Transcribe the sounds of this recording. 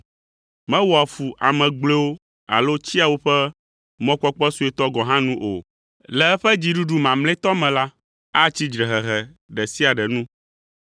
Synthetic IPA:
mɛ̃˦wɔ˨a˨fu˨ʔa˨mɛ̃˨ɡ͡ble˦wo˦ | a̰˨lo˦t͡ɕi˦a˨wo˦ɸɛ˦ | mɔ̃˦k͡pɔ˦k͡pɔ˦su˦ɛ˨t̪ɔ˦ɡɔ̃˨ɦã˦nũ˦ʔo˨ | lɛ˨ɛ˦ɸɛ˦d͡ʑi˦ɖu˦ɖu˨mã˨mlɛ̃˦t̪ɔ˦mɛ̃˨la˦ | a˦t͡ɕi˦d͡ʒɾɛ˨ɦɛ˨ɦɛ˨ | ɖɛ˨si˦a˨ɖɛ˨nũ˦

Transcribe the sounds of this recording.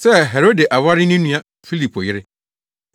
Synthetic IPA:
sɛ˦ɦɛ˨ɾo˦de˨ʔa˨wa˦ɾɪ˦nĩ˦nũ˦a˦ | fi˦li˨pʰo˨jɪ˦ɾɪ˦

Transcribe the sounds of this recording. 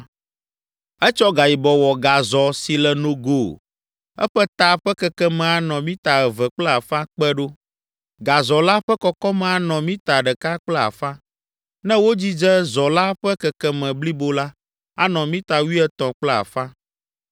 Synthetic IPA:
ɛ˦t͡ʃɔ˦ɡa˨ji˨bɔ˨wɔ˨ɡa˨zɔ˨si˨lɛ˨nõ˨ɡo˨ | ɛ̰˦ɸɛ˦t̪a˨ɸɛ˦kɛ˦kɛ˦mɛ̃˨a˨nɔ̃˨mĩ˦t̪a˨ɛ˨vɛ˨k͡plɛ˦a˨fã˦k͡pɛ˦ɖo˦ | ɡa˨zɔ˨la˦ɸɛ˦kɔ˦kɔ˦mɛ̃˨a˨nɔ̃˨mĩ˦t̪a˨ɖɛ˨ka˦k͡plɛ˦a̰˨fã˦ | nɛ̃˦wo˦d͡ʑi˦d͡ʒɛ˦zɔ˨la˦ɸɛ˦kɛ˨kɛ˦mɛ̃˨bli˦bo˦la˦ | a̰˦nɔ̃˨mĩ˦t̪a˨wi˦ɛ˦t̪ɔ̃˨k͡plɛ˦a̰˨fã˦

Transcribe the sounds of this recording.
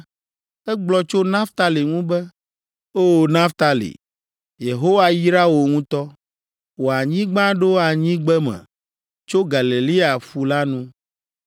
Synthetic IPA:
ɛ˦ɡ͡blɔ˦t͡ʃo˦nã˦ft̪a˦le˨ŋũ˦bɛ˦ | o˦˨nã˦ft̪a˦lḭ˨ | je˨ɦo˦wa˦ji˦ɾa˦wo˨ŋũ˦t̪ɔ˦ | wo˨a˨ɲĩ˦ɡ͡bã˦ɖo˦a˨ɲĩ˦ɡ͡bɛ˦mɛ̰̃˨ | t͡ʃo˦ɡa˨le˨li˦a˨fu˨la˦nũ˦

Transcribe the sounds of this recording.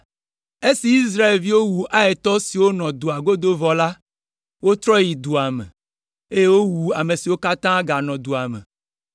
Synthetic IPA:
e˦si˨i˦s̬ɾa˦e˨lvi˦wo˦wu˨ʔa˦e˨t̪ɔ˦si˨wo˦nɔ̃˨d̪u˨a˨ɡo˦d̪o˦vɔ˨la˦ | wo˦t̪ɾɔ˦ji˨d̪u˨a˨mḛ̃˨ | e˦je˦wo˦wu˨a˨me˨si˨wo˦ka˦t̪ã˦ɡa˨nɔ̃˨d̪u˨a˨mḛ̃˨

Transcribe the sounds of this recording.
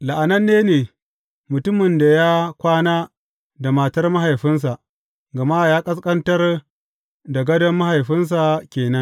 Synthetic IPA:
la˨ʔa˨nɐ˦nːeː˦neː˨ | mʊ˨tʊ˦mɪ˨nda˨jaː˦kʷaː˦naː˦ | da˨ma˨tɐ˦rma˦ɦa˨jɸɪ˦ns̬a˨ʔ | ɡɐ˨ma˦˨jaː˦kʼɐ˦skʼɐ˦ntɐ˦r | dɐ˨ɡɐ˦dɐ˦mːa˦ha˨jɸɪ˦ns̬a˨kʲeː˨nɐ˦ŋ

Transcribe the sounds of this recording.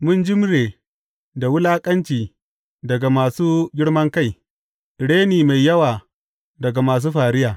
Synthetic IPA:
mʊ˦nd͡ʒɪ˦m˦ɾeː˨ | da˨wʊ˦laː˦kʼɐ˦nt͡ʃiː˨ | dɐ˨ɡa˨maː˨suː˦ɡʲɪ˦ɽmɐ˦ŋka˦˨j | ɽeː˦niː˨ma˨jːɐ˦waː˨ | dɐ˨ɡa˨maː˨s̬uː˦ɸaː˨ɽɪ˦jaː˨

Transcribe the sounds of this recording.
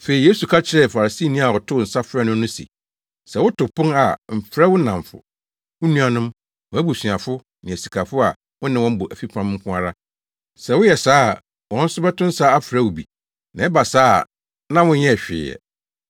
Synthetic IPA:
fe˨i˨je˦su˨kʰa˦t͡ɕʰɪ˨ɾɛ˦˨fa˨ɾa˨si˦˨nĩ˦a˨ɔ˨tʰʊ˦ʊ˨n̩˨sa˦fɛ˦nʊ̃˦nʊ̃˦sḭ˨ | sɛ˨wʊ˦tʊ˨pʰʊ̃˦ŋa˨m̩˨fɾɛ˦wʊ˦nã˨ɱfʊ̰˨ | wʊ˦nũ˦a˨nʊ̃˦m | wʊ̃˨˦æ˦bu˨sɥ̃a˨fʊ˦ | nɪ̃˨æ˨si˨kʰa˨fʊ˦a˨ | wʊ̃˦nɪ̃˦wɔ̃˦m̩˦bʊ˨ʔæ˨fi˦pʰã˦m̩˦kʰʷʊ̃˦a˦ɾa˦ | sɛ˨wʊ˦jɛ˨saː˦˨ | wɔ̃˦n̩˦sʊ˦bɛ˦tʊ̃˦n̩˦sa˦a˦fɾɛ˦wʊ˨bi˨ | nã˨˦ɛ˦ba˨saː˦˨ | nã˦wʊ̃˦ɲɛ̃˦˨ɕᶣɪ̰ː˨jɛ̰˨

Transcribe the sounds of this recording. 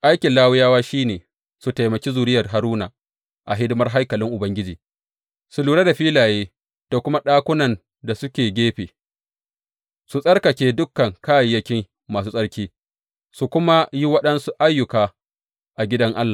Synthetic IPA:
ʔa˦jkʲɪ˨nlaː˦wʊ˦jaː˦waː˦ʃiː˦neː˨ | su˨ta˨jmɐ˨kʲi˦zuː˨ɾɪ˦jɐ˨rɦa˨ɾuː˦na̰ː˨ | ʔa˨ɦɪ˦dʊ˦mɐ˦rɦa˦jkɐ˨lɪ˦ŋʔʊ˨bɐ˦ŋɡʲɪ˦d͡ʒiː˨ | su˨luː˨ɽe˦da˨ɸiː˦laː˨jeː˦ | d̥o˨kʷʊ˦ma˦ɗaː˦kʷʊ˦nɐ˨n | da˨sʊ˦kʲeː˨ɡʲeː˦ɸeː˨ | su˨sʼɐ˦rkɐ˨kʲeː˦dʊ˦kːɐ˨ŋkaː˦jjɐ˦kʲɪ˦ŋ | maː˨s̬uː˦sʼɐ˦ɽkʲiː˦ | su˨kʷʊ˦ma˦ji˦wɐ˦ɗɐ˦nsu˦ʔa˦jːʊ˨kaː˨ | ʔa˨ɡʲɪ˦dɐ˦ŋʔa˦lːaː˨

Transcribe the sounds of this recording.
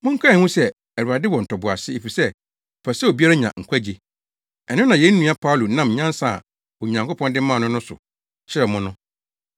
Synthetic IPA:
mʊ̃˦ŋ̩˦kʰa˦˨hũ˦sɛ˦ | æ˨u˨a˨dɪ˦wɔ˨n̩˨tʰɔ˨bʊ˨a˨sɪ˦e˨fi˨sɛ˦˨ | pʰa˨sɛ˦o˨bi˦a˦ɾa˦ɲã̰˨ŋ̩˨kʷʰa˦d͡ʑe˨ | ɛ˨nʊ̃˦nã˨jɛ˦n̩˦nũ˨˦a˦pʰa˦ʊ˨lu˨nã˦˨mɲã˦n˦sa̰˦˨ | wɔ˨ɲã˨ŋkʰo˦pʰɔ̃˦n˦dɪ̃˦mã˦˨nʊ̃˦nʊ̃˦sʊ̰˨ | t͡ɕɪ˦ɾɛ˨mʊ̃˦nʊ̃˦

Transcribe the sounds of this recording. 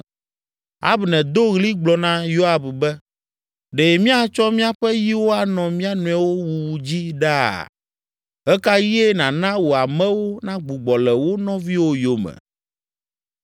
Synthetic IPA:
a̰˦bnɛ̃˨d̪o˦ɣli˦ɡ͡blɔ˨nã˦jo˦a˦˨bbɛ˦ | ɖɛ˨mĩ˦a˦t͡ʃɔ˦mĩ˦a˦ɸɛ˦ji˦wo˦a˨nɔ̃˨mĩ˦a˦nũ˨ɛ˨wo˦wu˨wu˨d͡ʑi˦ɖa̰˦˨ | ɦɛ˦ka˦ji˦e˦nã˨nã˦wo˨a˨mɛ̃˦wo˦nã˦ɡ͡bu˨ɡ͡bɔ˨lɛ˨wo˦nɔ̃˦vi˦wo˦jo˦mɛ̰˨

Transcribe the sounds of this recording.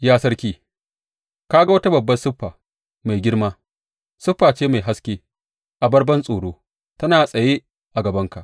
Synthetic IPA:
jaː˦sɐ˦ɽkʲiː˦ | kaː˦ɡa˦wɐ˦ta˦bɐ˨bːɐ˦nsʊ˦ɸːaː˨ | ma˨jɡʲɪ˦ɽmaː˦ | sʊ˦ɸːaː˨t͡ʃeː˦ma˨jɦa˦skʲeː˦ | ʔa˨bɐ˦ɽbɐ˦nsʼoː˨ɽoː˦ | tɐ˦naː˨sʼɐ˨jeː˦ | ʔa˨ɡɐ˨bɐ˦ŋka˨ʔ

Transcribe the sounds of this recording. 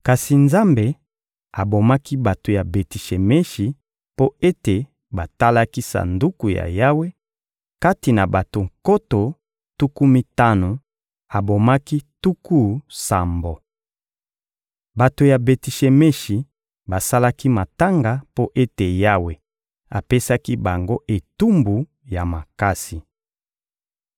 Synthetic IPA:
ka˨si˨nza˦mbe˨ | a˨bo˨ma˦ki˦ba˨to˨ja˨be˨ti˨ʃe˨me˦ʃi˨ | po˦e˦te˨ | ba˨ta˦la˦ki˦sa̰˨ndu˦ku˨ja̰˨ja˦we˦ | ka˦ti˨na˨ba˨to˨ŋko˦to˨ | tu˦ku˦mi˦ta˦no˨ | a˨bo˨ma˦ki˦tu˦ku˦sa˨mbo˨ | ba˨to˨ja˨be˨ti˨ʃe˨me˦ʃi˨ | ba˨sa˦la˦ki˦ma˨ta˦ŋɡa˨po˦ʔe˦te˨ja˦we˨ | a̰˨pe˦sa˦ki˦ba˨ŋɡo˦ʔe˨tu˦mbu˨ | ja˨ma˨ka˦si˨

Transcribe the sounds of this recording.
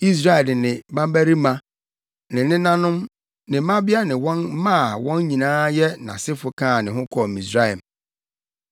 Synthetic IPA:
i˦s̬ɾa˦ɛ˨dɪ˨nɪ̃˨bã˦m˦bæ˦ɾi˦mã˦ | nɪ̃˨nɪ̃˦nã˦nʊ̃˦m | nɪ̃˨˦mã˦bɪ˦a˦nɪ̃˨wɔ̃˦nmã˦˨wɔ̃˦nɲĩ˨nãː˦jɛ˦nã˨sɪ˦fʊ˨kʰãː˦˨nɪ̃˨ɦʊ̃˦kʰɔ˨mĩ˨sɾa˦ɛ˨m

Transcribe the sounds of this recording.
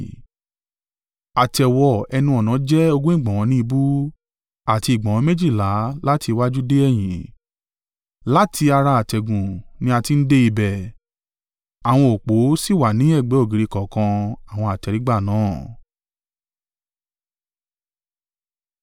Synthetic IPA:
a˨tɛ˨wɔ˨ɛ˧nũ˧ɔ˨nã˨˦d͡ʒɛ˦o˧ɡũ˦ĩ˦˨ɡ͡bã˨ɔ̃˨˧˦nĩ˦i˧bu˦ | a˦˨ti˧˨ɡ͡bɔ̃˨˧mẽ˦d͡ʒi˦˨la˨˦la˦ti˧wa˦d͡ʒu˦de˦ɛ˦˨j̃ĩ˨ | la˦tʰi˧a˧ɾa˧a˨tɛ˨ɡũ˨nĩ˦a˧ti˧n̩˦de˦i˧bɛ˨ | a˨w̃ɔ̃˧o˨k͡po˨˦si˦˨wa˨nĩ˨˦ɛ˦˨ɡ͡bɛ˨˦o˦˨ɡi˨ɾi˧kɔ̃˨kã˧a˨w̃ɔ̃˧a˨tɛ˨˧ɾi˨˦ɡ͡ba˦˨nãː˨˦˨

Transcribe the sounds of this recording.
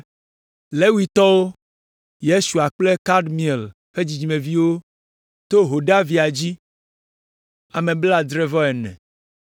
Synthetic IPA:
le˦wi˦t̪ɔ˦wo˦ | je˦su˨a˨k͡ple˦ka˦ɖmĩ˨e˨l | ɸe˦d͡ʑi˨d͡ʑi˨mẽ˨vi˦wo˦ | t̪o˦ɦo˨ɖa˦vi˦a˨d͡ʑi˦ | a˨mẽ˨bla˦d̪ɾɛ˦vɔ˦ɛ˨nɛ̰̃˨

